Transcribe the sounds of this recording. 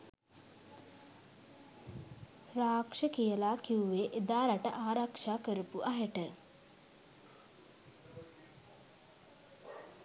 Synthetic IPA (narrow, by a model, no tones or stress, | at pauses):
ɾaːkʂəkijəlaːkiuʋeʔed̪aːɾaʈəʔaːɾakʂaːkəɾəpuʔaɦəʈə